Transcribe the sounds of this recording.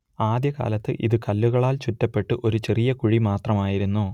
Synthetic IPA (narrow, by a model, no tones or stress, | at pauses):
aːd̪jɐka̰ːlɐt̪ːɨ̰ʔḭðɨkɐlːuɣɐɭaːlt͡ɕutːɐpːe̞ʈːɨʔo̞ɾut͡ɕe̞rijɐkuɻimaːt̪rɐmaːjiɾunːu